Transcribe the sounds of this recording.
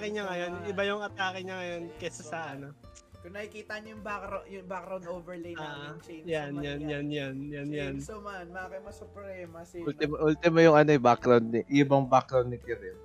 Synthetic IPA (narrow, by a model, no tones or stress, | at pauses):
kɪɲɐŋɐjo̞nʔɪbajʊŋɐt̪aːkɪɲɐŋɐjo̞nkɛsɐsanɐ | kʊŋnɐkikiːt̪ɐɐnjʊŋbakɾajʊŋbakɾawnd̪oːvɛlejaaːʔt͡ʃejanjanjanjanjanjansomɐnmɐakɐmɐsʊpɾɛmɐslt̪ɪmɐʔult̪ɪmɐjʊŋɐnoɛbakɾawnd̪ɪʔibɐŋbakɾawnd̪ɪt̪ɪɾɛ